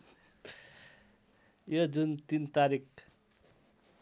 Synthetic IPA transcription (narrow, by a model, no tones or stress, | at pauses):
jod͡zunt̪int̪aɾik